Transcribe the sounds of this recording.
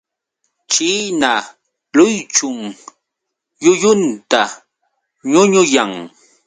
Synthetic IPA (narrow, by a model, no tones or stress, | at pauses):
t͡ʃiːna | lʊjt͡ʃʊŋ | jʊjʊnt̪a | ɲʊɲʊjaŋ